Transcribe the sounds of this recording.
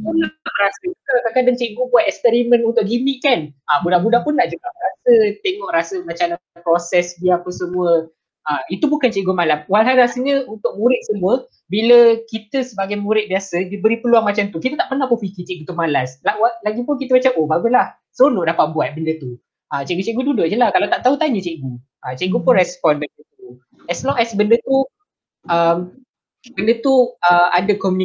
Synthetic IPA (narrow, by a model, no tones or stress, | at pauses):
munat̪aʔɾasək̪at̪akandaŋt͡ʃeʔɡobuat̪ɛkspɛɾimə̃nunt̪ʊʔɡimiʔkanabudahbudahpʊnːaʔd͡ʒuɡaʔrasət̪eŋɔʔɾasəmat͡ʃanapɾosɛsdiapəsəmuə | ʔait̪ubukant͡ʃeʔɡumalamwalɦalɾasəɲəunt̪ʊk̚muɾɪt̪̚səmuə | biləkit̪əsəbaɡajmuɾɪt̪̚biasədibəɾipəluaŋmat͡ʃamt̪ukit̪ət̪aʔpərnahpofikit͡ʃeʔɡut̪umalaslawalaɡipʊnkit̪əbat͡ʃapʔobaɡulah | sonʊʔdapat̪̚buat̪̚bəndət̪u | ʔat͡ʃeʔɡut͡ʃeʔɡududʊʔd͡ʒəlahkalawt̪aʔt̪aut̪aɲət͡ʃeʔɡu | ʔat͡ʃeʔɡupʊnrɛspɔnbəndə | u | ɛslɔŋɛsbəndət̪u | ʔəm | bəndət̪uəa̰dəkɔmjuni